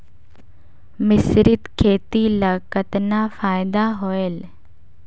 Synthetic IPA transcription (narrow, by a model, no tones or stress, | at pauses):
mɪsɾɪt̪kʰeːt̪ilakət̪naːfaːjd̪aɦoːel